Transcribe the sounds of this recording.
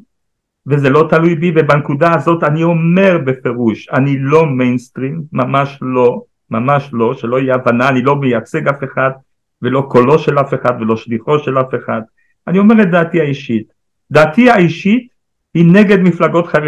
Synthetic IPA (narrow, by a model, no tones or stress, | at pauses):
vezelo̞t̪alujbivebankudaːzo̞tanio̞me̞ʁbe̞fe̞ʁuʃanilo̞mejnst̪ʁimːamaʃlo̞ | mamaʃlo̞ʃelo̞ijeavanaːnilo̞mejat͡se̞ɡafe̞χad̪̚ | ve̞lo̞ko̞lo̞ʃe̞lafe̞χad̪ve̞lo̞ʃliχo̞ʃe̞lafe̞χad̪ | anio̞me̞ʁet̚daːtiaiʃit̪ | d̪aːt̪iaiʃit̪ | hine̞ɡe̞d̪miflaɡo̞t̪χa